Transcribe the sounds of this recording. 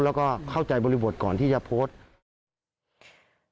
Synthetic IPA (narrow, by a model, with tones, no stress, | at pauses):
lɛː˦˥wkɔː˥˩kʰa˥˩wt͡ɕa˨˧jbɔː˧li˦˧bo˨˩t̪̚kɔː˨˩nt̪ʰiː˥˩t͡ɕa˨pʰoː˦˥˩t̪̚